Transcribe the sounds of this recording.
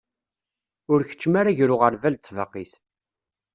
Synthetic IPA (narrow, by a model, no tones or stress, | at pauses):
ʊɾçə̥t͡ʃːmaɾaʝɾʊʁəɾvælt͡sːvəqːiθ